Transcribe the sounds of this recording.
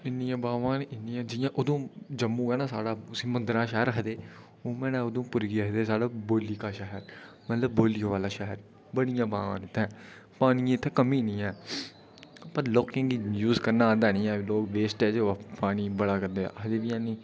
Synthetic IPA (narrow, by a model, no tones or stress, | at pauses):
ɪnːɪjãːbaːʋãːnɪnːɪjãːd͡ʒɪjãːʔʊd̪õːd͡ʒəmːũːɛːnaːsa̰ːɽaːʊsĩːmənd̪ɾãːʃɛːəɾɦəd̪eː | oːmɛ̃ːnɛ̃ːod̪õːpʊɾɡiɦəd̪eːsaːɖaːboːliːkaːʃɛɦəɾ | mət̪ləb̚ːoːlijõːʋaːlaːʃɛɦəɾ | bəɽijãːba̰ːʋã̰ːnɪt̪ʰːɛ̃ː | paːnijãːɪt̪ʰːɛ̃ːkəmiːnĩːɛ̃ː | pəɾlɔːkẽːɡijuːzkəɾnãːd̪ɛːnĩːãːloːkʋeːsʈɛːd͡ʒeapaːniːbəɽaːkəɾd̪ḛːɦəd̪eːʋiːãːniː